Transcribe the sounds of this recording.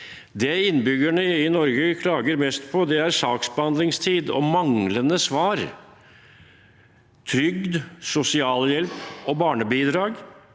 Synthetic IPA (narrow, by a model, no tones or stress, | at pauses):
d̪ɛɪnːbʏɡæɳəɪnɔɾɡəkʰlɑːɡəɾmɛst̪pʰɔd̪ɛæɾsɑːksbəhɑnd̪lɪŋst̪ʰiːd̪ɔ̰mɑŋlənəsʋɑːɾ | t̪ʰɾʏɡd̪sʊsɪɑːljɛlpɔbɑːɳəbiːd̪ɾɑːɡ